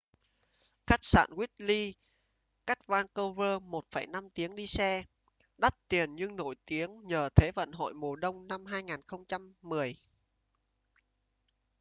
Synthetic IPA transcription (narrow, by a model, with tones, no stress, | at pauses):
xa˦˥k̚sa̰ː˧˨nɣwi˦˥t̚li˧ | ka˦˥k̚vaː˧ŋkə˧wvəː˧mo˨˩t̚fə˨˩jna˧mt̪i˨˦əŋɗi˧sɛ˧ | ɗa˦˥t̚t̪i˨˩ənɲɨ˧ŋno˧˩˨jt̪i˨˦əŋɲəː˨˩t̪ʰe˨˦və̰˧˨nɦo̰˧˨jmo˨˩ɗə˧wŋ͡mna˧mɦaː˧jŋaː˨˩nxə˧wŋ͡mt͡ɕa˧mːɨ˨˩əj